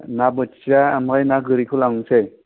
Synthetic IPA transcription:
nabɯt͡ʃiaːmajnaɡɯɾikʰɯlaŋse

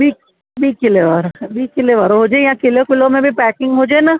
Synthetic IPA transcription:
bʱi | bʱikɪleʋaːɾbʱikɪleʋaːɾoɦod͡ʒaejãkɪlokɪlomẽbʱipɛːkɪ̃ŋɡɦod͡ʒaːena

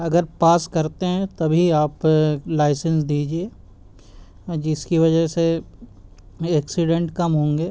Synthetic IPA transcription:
ɐɡəɾpaːskɐɾt̪eɦɛ̃t̪ɐbʱiaːplaːɪsə̃ns̬d̪iːd͡ʒieː | d͡ʒɪskiʋɐd͡ʒəse | ɛːksɪɖẽɳʈkɐmɦõːŋɡeː

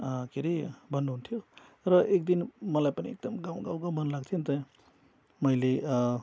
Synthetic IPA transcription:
keɾibʌnɦunt̪ʰijo | ɾʌʔek̚d̪inmʌlajpaniek̚d̪ʌmɡawɡawɡawbʱʌnlaɡt̪ʰint̪ʌ | mʌjle

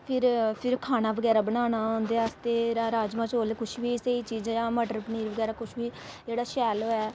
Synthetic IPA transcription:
pʰɪɾpʰɪɾkʰaːnaːbəɡɛːɾaːbənaːnaːɦõnd̪eːaːst̪eːɾaɾaːd͡ʒmãːt͡ʃoːlekʊʃʋiːsəiːt͡ʃiːd͡ʒjãːməɖəɾpəniːɾʋəɡɛːɾaːkʊʃʰbiːd͡ʒeːɽaːʃɛːloːɛː

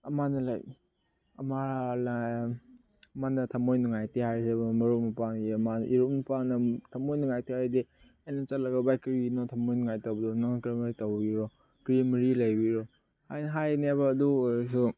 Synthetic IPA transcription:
ɐmanɐlaj | ɐ̰mala | ɐmanɐtʰɐmojnuŋajtehajsebmɐɾumɐpaŋiɐmanʔiɾunɐpaŋnɐtʰɐmojnuŋajtʰihajde | enɐt͡ʃɐt̚lɐɡɐbajkɾinɔtʰɐmojnuŋajtowbɐdunaŋakɾimɾitawbiɾɔ | kɾimɾilajbiɾɔ | hajnɦajnebaːduɾs̬u

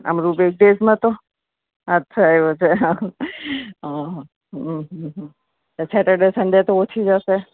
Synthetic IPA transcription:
ə̰mɾubek̚ɖesmãt̪o | ətːʃʰaeʋot͡ʃʰeɦã | ɦã | ɦɦɦ | t̪asɛʈəɾɖesənɖ̪et̪oot͡ʃʰid͡ʒəʃe

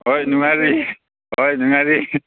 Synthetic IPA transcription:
ɦojnuŋaɹi | ɦojnuŋaɹi

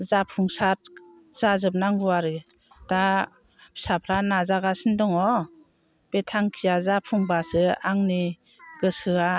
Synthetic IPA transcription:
zapʰuŋsat̚ | z̥azɯp̚naŋbuaɾɯ | ta | sapʰɾanazaɡasɯndɔŋɔ | b̥etʰaŋkʰijazapʰuŋbasɯaŋni | ɡɯsɯa

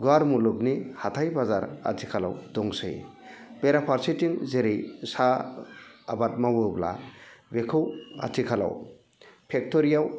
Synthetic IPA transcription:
ɡaɾmulɯk̚nihatʰajbazaɾa̰tʰikʰala̰wdɔŋsɯ̰jb̥eɾapʰaɾsitiŋzeɾejsaː | bat̚mawɯbla̰bekʰɯwa̰tʰikʰala̰w | pʰek̚tɔɾijaw

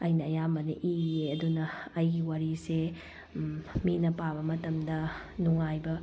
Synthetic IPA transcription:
ɐjnɐːjambɐniʔieɐdunɐːjɡiwaɾise | minɐpabɐmɐtɐmdɐ | nuŋajbɐ

